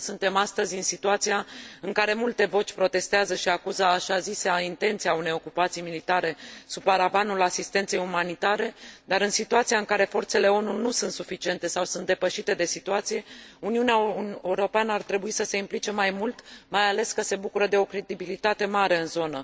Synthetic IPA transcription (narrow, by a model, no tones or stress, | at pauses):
sunt̪e̞mast̪əzʲɨnsit̪uat̪sijaɨŋkaɾe̞mult̪e̞vo̞t͡ʃʲpɾo̞t̪e̞st̪eazəʃiakuzəaʃaziseaint̪e̞nt̪sijaune̞jo̞kupat̪sijmilit̪aɾe̞supaɾavanulasist̪e̞nt̪se̞jumanit̪aɾe̞d̪aɾɨnsit̪uat̪sijaɨŋkaɾe̞fo̞rt̪se̞le̞o̞nunusunt̪sufit͡ʃie̞nt̪e̞sawsunt̪d̪e̞pəʃit̪e̞d̪e̞sit̪uat̪sije̞uniuneaeuɾo̞peanəart̪ɾe̞buisəse̞implit͡ʃe̞majmult̪majale̞skəse̞bukuɾəd̪e̞o̞kɾe̞d̪ibilit̪at̪e̞maɾe̞ɨnzo̞nə